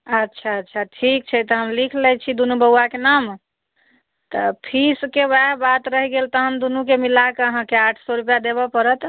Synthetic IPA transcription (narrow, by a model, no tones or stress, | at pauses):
ətːʃʰaətːʃʰaʈʰik̚t͡ʃʰɛt̪ɔɦəmlikʰlɛjt͡ʃʰid̪unubəwakenam | t̪əpʰiskebɛɦbat̪ɾəɦiɡelt̪əɦəmd̪unukemilakeəɦãkeaʈʰsɔɾupjad̪eβɔpəɾət̪